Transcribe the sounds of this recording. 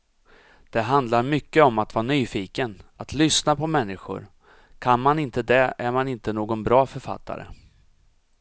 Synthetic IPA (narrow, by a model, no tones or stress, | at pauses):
d̪̥ɛɦand̪laɾmʏkːəɔmat̪vɑːanyːfiːkənat̪lʏsnapʰɔmɛnːɪɧʊ̰ɾ | kʰanmanɪnt̪əd̪ɛæɾmanɪnt̪ənoːɡɔnbɾɑːfœɾfa̰t̪ʰːa̰ɾə̰